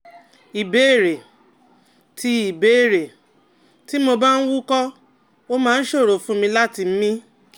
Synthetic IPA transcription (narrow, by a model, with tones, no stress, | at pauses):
i˨be˨˦e˦˨ɾe˨ | tʰi˧i˨be˨˦e˦˨ɾe˨ | ti˦mo˧ba˦n̩˦wu˦kɔ˦ | o˦mãː˦˧n̩˦ʃo˦˨ɾo˨fũ˦mĩ˧la˦ti˧m̩˦mĩ˦